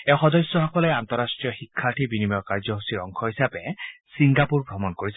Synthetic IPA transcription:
ɛxɔdɔsjɔɦɔkɔlɛant̪ɔɹasʈɹijɔxikʰːaɹʈʰibinimɔkaɹzɔɦusiɹɔ̰ŋkʰɔɦisapɛsiŋɡapuɹbʱɹɔmɔnkoɹisɛ

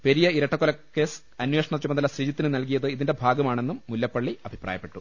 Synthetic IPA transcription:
peɾijɐiɾɐʈːɐkːolɐkːe̞ːs | ɐnweːʂɐɳɐt͡ɕːumɐnd̪ɐlɐsriːjɐt̪ːinɨnɐlk̬ijɐðɨiðinde̞bʱaːɡɐmaːɳe̞nːumːulːɐpːɐɭːiɐbʱipra̰ːjɐpːe̞ʈːu

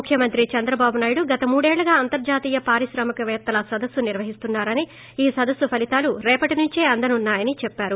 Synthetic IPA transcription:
mukʰjɐmɐnt̪ɾit͡ʃɐnd̪ɾɐbaːbunaːjuɽuɡɐt̪ɐmuːɽɛːɭːɐɡaːɐnt̪ɐɾd͡ʒaːt̪iːjɐpaːɾiʃɾaːmɐkɐʋɛːt̪ːɐlɐsɐd̪ɐsːuniɾʋɐɦist̪unːaːɾɐni | iːsɐd̪ɐsːupʰɐlit̪aːluɾɛːpɐʈinuɲt͡ʃeːɐnd̪ɐnunːaːjɐnit͡ʃɛpːaːɾu

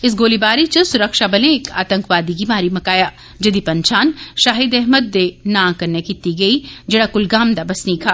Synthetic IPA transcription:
ɪs̬ɡoːlibaːɾit͡ʃɐsʊɾəkʃabɐlẽːkʰa̰ːt̪ə̃ŋkʋaːd̪ikimaːɾimɐkaːjaː | d͡ʒɐd̪ipɐ̃ɲt͡ʃaːnʃaːɦɪd̪ɛɦməd̪̚ːeːnãːkɐɾnekit̪iɡɐid͡ʒeɽakʊlɡaːmd̪abɐsnikʰaː

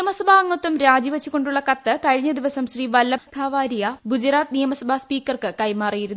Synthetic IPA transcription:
jmɐsɐbʱaɐŋːot̪ːɐmɾaːd͡ʑiʋɐt͡ɕːukːo̞ɳɖuɭːɐkɐt̪ːɨkɐɻiɲːɐd̪iʋɐsɐmɕriːʋɐlːɐt̪ʰaːʋaːɾijɐbud͡ʑɐɾaːrnijɐmɐsɐbʱaspiːkːɐrkɨkɐjmaːrijiɾunː

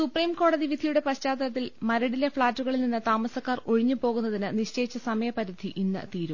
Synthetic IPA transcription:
supriːmko̞ːɽɐðiʋid̪ʱijuɽe̞pɐɕt͡ɕaːd̪ɐɾɐt̪ːilmɐɾɐɽilefɭaːtːuɣɐɭilninːɐt̪aːmɐsɐkːaːro̞ɻiɲːupo̞ːɣunːɐðinɨniɕt͡ɕe̞ːit͡ɕːɐsɐmɐjɐpɐɾid̪ʱiʔinːɨ̰t̪iːɾum

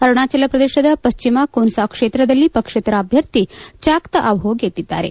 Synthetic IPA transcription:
ɦɐɾuɳaːt͡ʃɐlɐpɾɐd̪eːʃɐd̪ɐpɐst͡ʃimɐkoːnsaːkʂeːt̪ɾɐd̪ɐlːipɐkʂeːt̪ɾɐːbʱjɐɾt̪it͡ʃaːkt̪ɐʔabʱɦoːɡet̪ːid̪ːa̰ːɾe̞̰

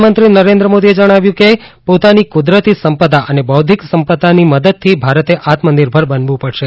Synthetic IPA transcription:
mənt̪ɾinəɾẽnd̪ɾəmod̪ied͡ʒəɽ̃aʋjũke | pot̪anikʊd̪ɾət̪isəmpəd̪aʔənebəʋd̪ʱiksəmpəd̪animəd̪əd̪̚t̪ʰibʱaɾət̪eʔat̪mənɪɾbʱəɾbənʋũpəɽʃe

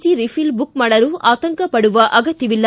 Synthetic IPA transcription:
siɾifilbʊkmɐɽɐɾuʔaːt̪ɐŋkɐpːɐɽɯʋɐʔɐɡɐt̪ːiʋilːɐ

